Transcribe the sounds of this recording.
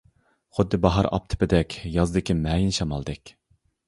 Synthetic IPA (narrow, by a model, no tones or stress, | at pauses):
χʊd̪ːɨbɑɦɑɾɑ̰p̚t̪ʰɨ̥pɪd̪ɛkʲjɑzɨd̪ɪkʲimɛːjinʃɑmɑlˠd̪ɪkʲ